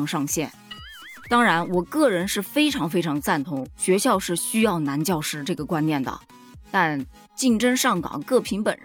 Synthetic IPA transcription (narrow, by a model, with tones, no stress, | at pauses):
ŋʂɑ˥˧ŋɕjɛ˥˩nt̪ɑ˥ŋɻa˧˥nwɔ˨˩kɤ˥˩ɻə˧˥nʂɻ̩˥˩fe˥ɪʈ͡ʂʰɑ˧˥ŋfe˥ɪʈ͡ʂʰɑ˧˥ŋt͡sa˥˩nt̪ʰʊ˧˥ŋɕɥɛ˧˥ɕjɑ˥˧ʊʂɻ̩˥˩ɕy˥jɑ˥˩ʊna˧˥nt͡ɕjɑ˥˩ʊʂɻ̩˥ʈ͡ʂɤ˥˩ɡə˩kwa˥nnjɛ˥˩nd̪ə̰˩ | t̪a˥˧n | t͡ɕi˥˩ŋʈ͡ʂə˥ŋʂɑ˥˩ŋkɑ̰˨˩ŋkɤ˥˩pʰi˧˥ŋpə̰˨˩n˥